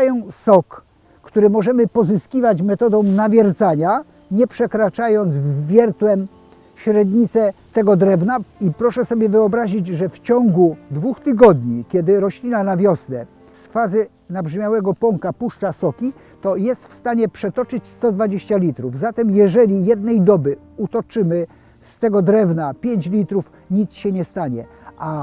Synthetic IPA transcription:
ajɛsɔkː | t̪uɾɘmɔʐɛmɘpɔzɘskʲivat͡ɕmɛt̪ɔd̪ɔ̃w̃navʲjɛɾt̪saɲa | ɲɛpʂɛkɾat͡ʂajɔnzvːʲjɛɾt̪wɛm | ɕɾɛd̪ɲit̪sɛt̪ɛɡɔd̪ɾɛvnaipɾɔʂɛsɔbʲjɛvɘɔbɾaʑid͡ʑʐɛft͡ɕɔŋɡud̪vuxt̪ɘɡɔd̪ɲikʲɛd̪ɘɾɔɕlʲinanavʲjɔsnɛ | sfazɘ | nabʐmʲjawɛɡɔpɔŋkapuʂt͡ʂasɔkʲi | t̪ɔjɛst̪fst̪aɲɛpʂɛt̪ɔt͡ʂɘt͡ɕst̪ɔd̪vad͡ʑeɕt͡ɕalʲit̪ɾuvzat̪ɛmjɛʐɛlʲijɛd̪̚nɛjd̪ɔbɘ | ut̪ɔt͡ʂɘmɘ | st̪ɛɡɔd̪ɾɛvnapʲjeɲt͡ɕlʲit̪ɾuf | ɲit̪sɕɛɲɛst̪aɲɛ | ʔa

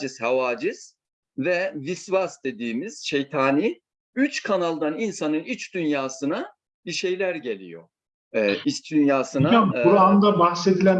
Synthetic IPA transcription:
d͡ʒiz̥havaːd͡ʒiz̥ | vɛvisvasd̪e̞d̪iːmiz̥ʃejt̪ʰaːni | yt͡ʃkʰanalˠd̪aninsanɯnyt͡ʃd̪ynjaːsɯna | biʃe̞jlʲæɾɟe̞lʲḭjo̰ | ist͡ʃd̪ynjaːsɯnauɾand̪abaxʃlˠed̪ilʲæn

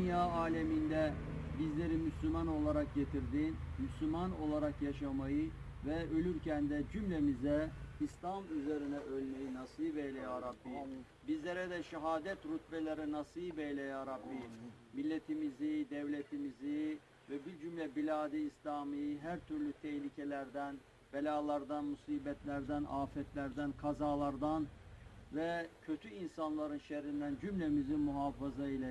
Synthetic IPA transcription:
dynjaːaːlʲemind̪ɛbizlʲe̞ɾimyslʲymano̞lˠaɾak̚ɟe̞t̪ʰiɾd̪inmyslʲymano̞lˠaɾakjaʃamajɯ | vɛø̞lʲyɾcʰænd̪ɛd͡ʒymlʲemizɛislʲamyzeɾinɛʔølʲmejinasɯjbejlʲɛjaːɾabːi | bizlʲeɾɛd̪ɛʃiɦaːd̪ɛt̪ɾut̪bɛlʲeɾɛnasɯjbejlʲɛjaːɾabːi | milʲːɛt̪ʰimizid̪ɛvlʲet̪ʰimizi | vɛbiɾd͡ʒymlʲɛbilʲaːd̪iːslʲaːmijɦæɾt̪ʰyɾlʲyt̪ʰɛçlʲicʰɛlʲæɾd̪æn | bɛlʲaːlˠɑɾd̪anmusiːbɛt̪ʰlʲæɾd̪ænʔaːfɛt̪ʰlʲæɾd̪ænkʰazaːlˠaɾd̪anvɛcʰøt̪ʰyinsanlˠaɾɯnʃɛɾind̪ænd͡ʒymlʲɛmizimuɦaːfazailˠa

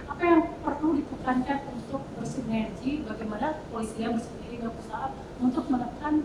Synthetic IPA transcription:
ʔapajaŋpərludipukankanunt̪ʊk̚bərsinɛrd͡ʒibaɡajmanapoisiaŋbərsəndiɾiŋapəsaat̪̚ | unt̪ʊk̚mənəkan

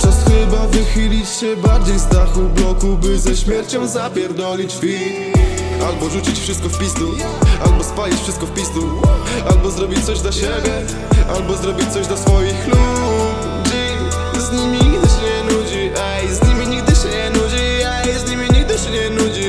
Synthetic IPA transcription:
pʂɛsxɘbavɘxɘlʲit͡ɕɕɛbaɾd͡ʑejzd̪axublɔkubɘzɛɕmʲjɛɾt͡ɕɔwzapʲjɛɾd̪ɔlʲit͡ɕfʲi | albɔʐut͡ɕit͡ɕfʂɘst̪̚kɔfpʲisd̪u | albɔspalʲit͡ɕfʂɘst̪̚kɔfpʲist̪ualbɔzɾɔbʲit͡ɕt̪sɔʑd̪laɕɛbʲjɛ | ʔalbɔzɾɔbʲit͡ɕt̪sɔʑd̪ɔsfɔjixxlu | d͡ʑi | zɲimʲiɲiɡd̪ɘɕɛɲɛnud͡ʑiʔɛjzɲimʲiɲiɡ̚d̪ɘɕɛɲɛnud͡ʑiɛjzɲimʲiɲiɡ̚d̪ɘɕɛɲɛnud͡ʑi

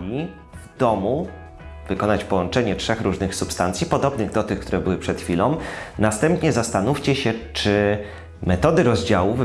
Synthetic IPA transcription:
i | vd̪ɔmu | vɘkɔnat͡ɕpɔwɔnt͡ʂɛɲɛtʂɛxɾuʐnɘxsupst̪ant̪sʲipɔd̪ɔbnɘɣd̪ɔt̪ɘxkt̪uɾɛbɘwɘpʂɛt̪xfʲilɔ̃w̃nast̪ɛmpɲɛzast̪anuft͡ɕɛɕɛt͡ʂɘ | mɛt̪ɔd̪ɘɾɔzd͡ʑawuv

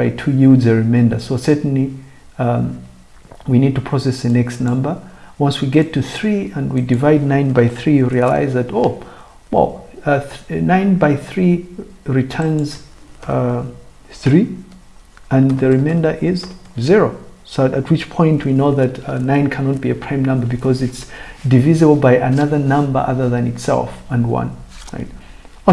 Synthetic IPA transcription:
baɪtʰujudzɨɹɨmẽndə̰sosɛ˞tn̩li | winid̚tupʰɹ̥ɔsɛsɨnɛkstnʌ̃mbə˞wʌ̃nswiɡɛtʰɨθɹiə̃nwidɨvaɪdⁿnãɪ̃nbaɪθɹiɹiəla̰ɪzðɨtoʊ | wɛ̰lˠθnãɪ̃nbaɪθɹiɹitʰɜ̃˞nz | θɹi | ɨ̃nðɨɹɨmẽndə˞ʔɪzzɪɹoʊ | soɨt̚wɨt͡ʃpʰɔ̃ɪ̃ntʰwinoʊðɨtnãɪ̃nkʰænɑt̚b̥iɨpʰɹ̥ãɪ̃mnʌ̃mbə˞bɨkʰʌzɨtsdɨvɪzɨbl̩ˠbaɪʔɨnʌðə˞nʌ̃mbə̰˞ʔʌ̰ðə˞ðɨ̃nɨtsɛ̰lˠfə̃nwʌ̰̃nɹa̰ɪt̚

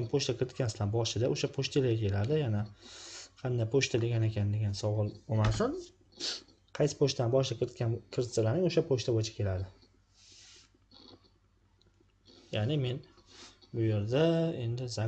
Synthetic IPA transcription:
mpʰoʃt̪ʰakʲɪɾɪt̪̚kʲansd̪anbɒʃɪd̪aoʃapʰoʃt̪elaɡʲakʲʰe̞lad̪ɪjana | qʰɑnd̪ajpʰoʃt̪ʰad̪eɡʲane̞kʲʰand̪e̞ɡʲansɒwɒlˠbomasɪn | qʰɑjsɪ̥pʰoʃt̪anbɒʃlɪkʰʲɪɾɪt̪kʲankʲʰɪɾɪt̪salaɾnɪŋoʃapʰoʃt̪ʰabojt͡ʃʰḁkʲʰe̞lad̪ɪ | janɪme̞nbʊjeɾd̪ae̞nd̪ɪza

